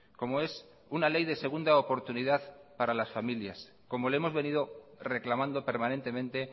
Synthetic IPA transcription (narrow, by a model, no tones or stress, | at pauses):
ko̞moe̞s | unale̞jðe̞se̞ɣ̞und̪aopo̞ɾt̪uniðaðpaɾalasfamiljas | ko̞mo̞leemo̞zβe̞nið̞o̞re̞klamãnd̪o̞pe̞ɾmane̞nt̪e̞mẽnt̪e̞